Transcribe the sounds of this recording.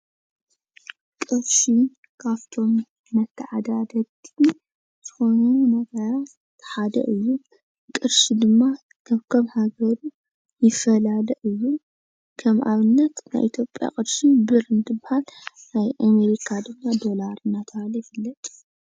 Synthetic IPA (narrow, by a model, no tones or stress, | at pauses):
kʼɨɾʃi | kʰaβt̪ʰo̞m | mɐt̪ʰːɐʕad̪ad̪ɐt̪ʰːi | z̥ɨxo̞nunɐɡɐɾa | ħad̪ɐ̰ʔɨjːu | kʼɨɾʃid̪ɨmːa | kʰɐβkʰomhaɡɐɾu | jɪfːɐlalɐʔɨjːu | kʰɐmʔa̰βɨnːɐt̪na̰jʔit̪ʰjo̞pʼja̰kʼɨd̪ʃibɨɾɨnt̪ʰɨbɨhalnajʔame̞ɾikʰad̪ɨmːad̪o̞laɾɨnat̪ʰalɐjfɨlːɐt̪ʼ